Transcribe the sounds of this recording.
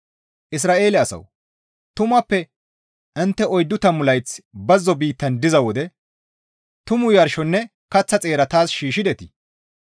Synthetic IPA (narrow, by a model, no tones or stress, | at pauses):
ʔɪs̬ɾaːʔe̞ːlɛɐsɐ̰w | t̪ʊmɐpːɛ | ɐnt̪ːɛɔjd̪ːʊt̪ɐmʊlɐjt͡sbɐzːɔbiːt̪ːɐnd̪ɪzɐwɔd̪ɛ | t̪ʊmʊjɐɾʃɔnːɛ | kɐt͡sːɐt͡sʼe̞ːɾɐt̪aːsʃiːʃɪd̪ɛt̪ɪ